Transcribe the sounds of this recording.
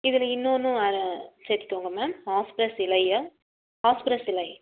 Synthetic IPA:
ɪðɪlɐɪnːonːʊ̃ɐɾseɾt̪ːɪ̥kːoːŋɡɐmeːmhaːspɪɾɐsɪlɐɪɐ | haːspɪɾɐsɪlɐɪ

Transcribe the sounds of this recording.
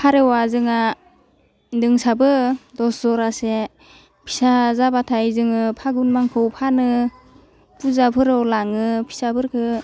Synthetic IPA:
pʰaɾewazɯŋa | dɯŋsabɯdɔszɔɾase | pʰi̥sazabatʰajzɯŋɯpʰaɡunmaŋkʰɯwpʰanɯ | puzapʰɯɾɯwlaŋɯpʰi̥sabɯɾkʰɯ

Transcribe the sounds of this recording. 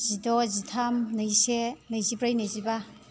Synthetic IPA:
zidɔzitʰamnɯjsenajzipɾajnajziba

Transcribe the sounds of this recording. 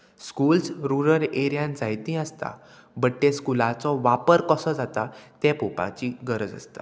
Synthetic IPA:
skuːlsɾuɾəɾeɾjãnd͡zajt̪ĩəst̪a̰ | bəʈːẽskulat͡sɔʋapəɾkəsɔd͡zat̪at̪ɛ̃popã̰t͡ɕiɡəɾəd͡zə̰st̪a

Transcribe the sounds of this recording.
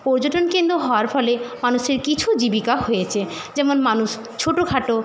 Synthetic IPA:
pɔɾd͡ʑoʈonkend̪oɦɔoaɾfɔlemanuʃeɾkit͡ɕʰud͡ʑibikaɦojet͡ɕʰe | d͡ʑɛmonmanuʃ | t͡ɕʰoʈokʰaʈo

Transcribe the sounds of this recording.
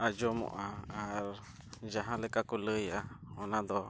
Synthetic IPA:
ajomṵ̃ʔãaɾ | jaɦãlekakulɨjaonãd̪o

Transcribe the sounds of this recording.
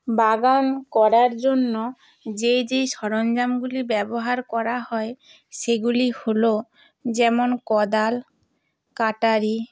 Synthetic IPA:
baɡankɔɾaɾd͡ʑonːo | d͡ʑejd͡ʑejʃɔɾond͡ʑamɡulibɛboɦaɾkɔɾaɦɔe | ʃeɡuliholo | d͡ʑɛmonkɔd̪al | kaʈaɾi

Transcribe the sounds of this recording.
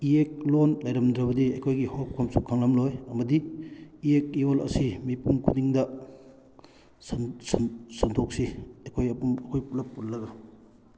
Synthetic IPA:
iek̚lonlɐjɾɐmdɾɐbɐdiɐjkʰojɡihop̚kʰomsukʰaŋlɐmlojɐmɐdiiek̚iolɐ̰simipumkʰudiŋdɐ | sssɐntʰok̚siɐkʰojɐpumɐkʰojpulɐpːutlɐɡɐ

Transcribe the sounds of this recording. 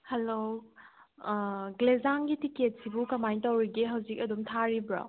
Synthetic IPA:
helo | ɡlezaŋɡitiket̚sibukɐmajtɐwɾiɡeɦɐwzikɐdumtʰaɾibɾa̰

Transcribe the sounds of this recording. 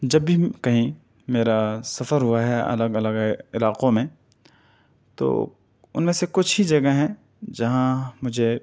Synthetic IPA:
d͡ʒɐbːʱikɐɦĩ | meːɾasɐfəɾɦʊaɦɛʔɐ̰ləɡɐləɡɪlaːqõmẽ | t̪o̰ː | ʊ̰nmẽsekʊt͡ʃʰɦid͡ʒɐɡəɦɛ̃ | d͡ʒɐɦãmʊd͡ʒʱe

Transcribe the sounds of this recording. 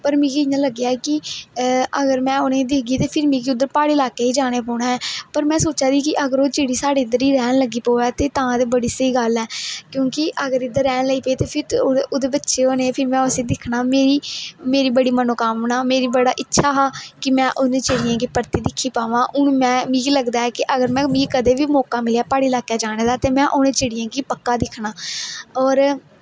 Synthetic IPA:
pəɾmĩːkiɪɲãːləɡːjaːkɪ | əɡəɾmɛ̃ːoːnẽːd̪ɪkɡiːt̪eːpʰɪɾmĩːkiːʊd̪ːəɾpaːɽeːlaːkeːiːd͡ʒaːɽ̃eːpɔːnaːɦɛːpəɾmɛ̃ːsoːt͡ʃaːd̪iːkɪʔəɡəɾoːt͡ʃeːɽiːsaːɽeːɪd̪əɾiːɾɛːnləɡiːpoːʋɛːt̪eːt̪ãːãːd̪eːbəɽiːsəiːɡəlɛːkjõːkɪʔəɡəɾɪd̪əɾːɛːnləiːpəiːt̪eːpʰɪɾoːd̪eːbətːʃeːoːneːpʰɪɾmɛ̃ːʊseːd̪ɪkʰnaːmeːɾiːmeːɾiːbəɽiːmənoːkaːmnaːmeːɾiːbəɽaːʔɪtːʃʰaːɦaːkɪmɛ̃ːʔʊnẽːt͡ʃeːɽɪjãːɡiːpəɾt̪iːd̪ɪkʰːiːpaːʋãːʔʊnmɛ̃ːmiːɡləɡd̪aːɛːkɪʔəɡəɾmɛ̃ːmĩːkəd̪eːʋiːmɔːkaːmɪljaːpaːɽiːlaːkjaːd͡ʒaːɽ̃eːd̪aːt̪eːmɛ̃ːʔoːnẽːt͡ʃeːɽɪjãːɡiːpəkːaːd̪ɪkʰɳaːɔːɾ

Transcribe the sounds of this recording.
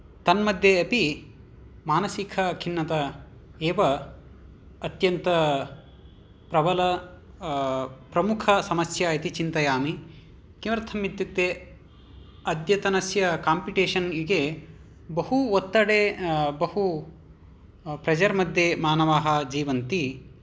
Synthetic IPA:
t̪ɐnmɐd̪ʱjeɐpi | maːnɐsikʰɐkʰinːɐt̪ɐ | eːʋɐ | t̪jɐnt̪ɐ | pɾɐbɐlɐ | pɾɐmukʰɐsɐmɐsjait̪it͡ʃint̪ɐjaːmi | kimɐɾɐt̪ʰɐmːit̪jut̪ːeː | ɐd̪jɐt̪ɐnɐsjɐkaːmpiʈeːʂɐniɡe | bɐɦuot̪ːɐɽeːbɐɦu | pɾɐd͡ʒɐɾmɐd̪ʱjemaːnɐʋaːɦɐd͡ʒiːʋɐnt̪i

